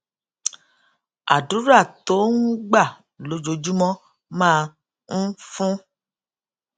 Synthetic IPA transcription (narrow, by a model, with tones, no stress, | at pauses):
a̰˨du˨˦ɾa˦˨to˨˦nũ˦ɡ͡ba˦˨ | lo˧˦d͡ʒo˨˦d͡ʒu˦mɔ̃˦ | mãː˦˧ | n̩˦fũ˦